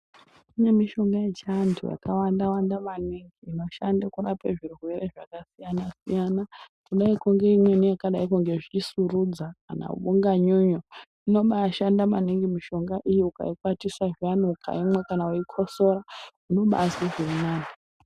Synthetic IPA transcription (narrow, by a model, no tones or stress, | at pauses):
imwe̞miʃo̞ŋɡajet͡ʃantʰṵja̰kawandawandamaniŋɡiːno̞ʃandakurapeʐirwwe̞ɾeʐakasijanasijanakuɗaikuŋɡe̞imwenijakaɗaikuŋɡe̞ʐit͡ʃisurud͡zaka̰na̰ṵɓuŋɡaɲuɲo | ino̞ɓaʃandamaniŋɡimiʃo̞ŋɡaʔijiuka̰ikwatisaʐanukʰa̰imwe̞kanauikʰo̞so̞ɾauno̞ɓa̰siʐirinaːna